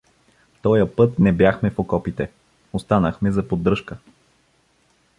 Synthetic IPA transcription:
t̪ɔjəpɤt̪nɛbjaxmɛfokɔpit̪ɛ | ost̪anəxmɛzɐpod̪ɾɤʃkə

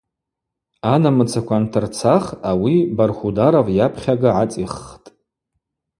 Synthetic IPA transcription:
anamɨt͡sʰakʷʰantʰɨrt͡sʰaχawibarχʷudaɾavjapʰχʲaɡaʕat͡sʼiχtʼ

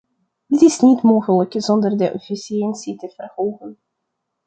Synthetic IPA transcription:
dɪtɪsnitmoːχələkzɔndərdəʔɔfisiɛnsitəv̥ərhoːχən

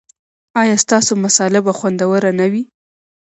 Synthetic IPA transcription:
ɑjɑst̪ɑsomasɑlɪbaxwand̪awəɾanawi

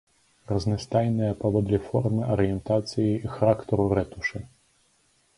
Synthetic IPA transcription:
rɐznɨst̪ajnɨjɐpɐvɔd̪lʲifɔrmɨʔɐɾɨjɛnt̪at̪sɨjiixɾakt̪ɔɾuɾɛt̪uʂɨ

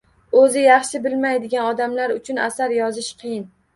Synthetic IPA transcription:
ɵzɪjɑχʃɪbɪlmajd̪ɪɡʲanɒd̪amlaɾʊt͡ʃʰʊna̰saɾjɒzɪʃqʰɨjɪn

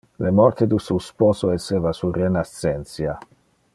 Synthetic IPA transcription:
lemɔrt̪ed̪ususpɔːsoɛsːeːvasurenasɛnt̪sja

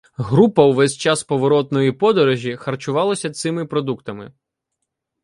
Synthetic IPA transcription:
ɦɾupɐwʋɛsʲt͡ʃɑspɔʋɔɾɔt̪nɔjipɔd̪ɔɾɔʒʲixɐrt͡ʃʊʋɑlˠɐsʲɐt̪sɪmɪpɾɔd̪ukt̪ɐmɪ̰

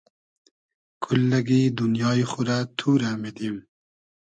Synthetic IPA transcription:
kʰulːɐɡid̪unjɑːiχʊɾat̪ʰuːɾamed̪im

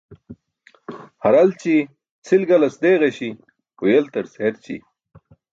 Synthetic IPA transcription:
hɐɾɐlt͡ɕi | t͡sʰilɡɐlɐsd̪eːɣeɕi | ujelt̪ɐɾseeɾt͡ɕḭ

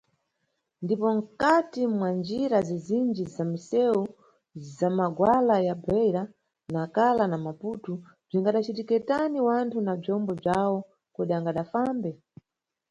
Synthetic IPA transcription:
ndipɔŋ̩katimwand͡ʒiɾazizind͡ʒizamisɛwu | zamaɡwalajabɛjɾa | naːkalanamaputu | b͡ʐiŋɡaɗat͡ʃitikɛtaniwantʰunab͡ʐɔmbɔb͡ʐawɔ | kɔɗiaŋɡaɗafambɛ

